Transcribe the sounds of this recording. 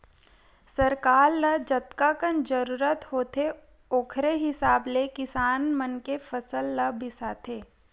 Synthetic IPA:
səɾkaːɾləd͡ʒɐt̪kakənd͡ʒəɾuːɾət̪hoːt̪ʰe | oːkʰɾeɦɪsaːblekɪsaːnmənkefʰəsəlːɐbɪsaːt̪ʰeː

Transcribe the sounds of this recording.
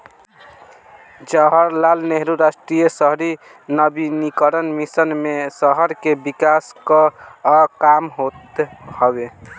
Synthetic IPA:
d͡ʒəɦəɾlalneɦɾuɾasʈɾijəsəɦɾi | nəbinikəɾənmisənmesəɦəɾkebikaskə | kamɦot̪hɔbe

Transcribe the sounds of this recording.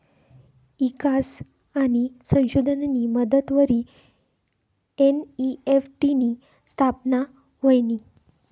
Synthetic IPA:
ikas | aɽ̃isə̃w̃ɕud̪ʱənniməd̪ət̪ʋəɾiː | eniefʈini | st̪ʰapna | ɦojni

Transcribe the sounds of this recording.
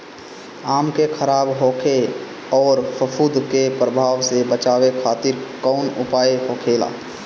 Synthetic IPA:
aːmkekʰəɾaːbɦoːkʰe | ɔːɾpəpʰuːd̪kepɾəbʱaːʋsebət͡ʃaːwekʰaːt̪ɪɾkɔʊnʊpaːeɦoːkʰeːla̰ː

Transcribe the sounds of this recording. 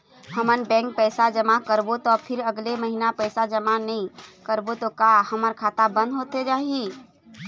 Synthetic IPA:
həmənbɛ̃ːŋk̚pəːsad͡ʒəmakəɾbot̪opʰɪɾəɡleməɦinapɛɪsad͡ʒəmanəɦĩkəɾbot̪okahəməɾkʰaːt̪abə̃nd̪ɦoːt̪ed͡ʒaːɦi

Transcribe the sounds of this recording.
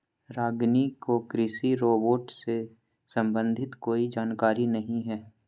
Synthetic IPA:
ɾaːɡnikokɾɪsiɾoːboːʈse | sɐ̃mbə̃nd̪ʱɪt̪koːid͡ʒaːnkaːɾinɐɦĩɦɛː

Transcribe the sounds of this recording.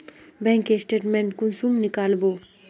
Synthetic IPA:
bɛ̃ːŋkesʈeːʈmẽɳʈkʊnsumnɪkaːlboː

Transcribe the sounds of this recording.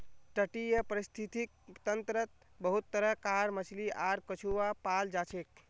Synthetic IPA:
ʈəʈijəpəɾist̪ʰit̪ik̚t̪ənt̪ɾət̪̚bəɦut̪ːəɾəkaɾmət͡ʃʰliʔaɾkət͡ʃʰuapald͡ʒat͡ʃʰek̚

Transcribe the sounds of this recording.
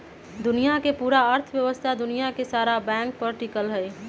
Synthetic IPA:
d̪ʊnijakepuːɾaəɾt̪ʰʋjəʋəst̪ʰad̪ʊnijakesaːɾabɛ̃ːŋk̚pəɾʈɪkəlɦɛː

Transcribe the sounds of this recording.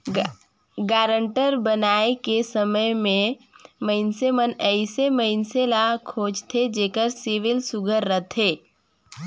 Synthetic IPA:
ɡaːɾə̃ɳʈəɾbənaːekesəməjmẽməɪnsemənɛːɪseməɪnselakʰoːd͡ʒt̪ʰed͡ʒeːkəɾsɪʋɪlsʊɡʱəɾːət̪ʰeː

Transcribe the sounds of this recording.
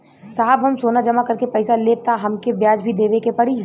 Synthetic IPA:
saːɦəbɦɐmsoːnad͡ʒɐmakɐɾkepɛːsaleːt̪aɦɐmkebjaːd͡ʒbʱid̪eːʋekepɐɽiː

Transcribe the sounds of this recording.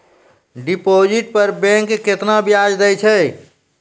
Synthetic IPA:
ɖipod͡ʒiʈ̚pəɾbɛ̃ŋkːet̪nabjad͡ʒd̪ɛjt͡ʃʰɛ

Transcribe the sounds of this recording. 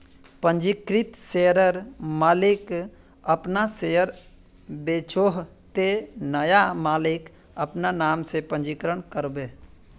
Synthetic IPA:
pə̃ɲd͡ʒikɾɪt̪seɾəɾmaːlɪk | əpnasejəɾ | beːt͡ʃoːɦ | t̪enəjamaːlɪk | əpnanaːmsepə̃nd͡ʒikɾəɳkəɾbeː

